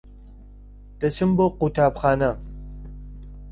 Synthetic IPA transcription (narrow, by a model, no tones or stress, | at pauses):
d̥ɐsʰɨmboqutʰaːpχaːnɐ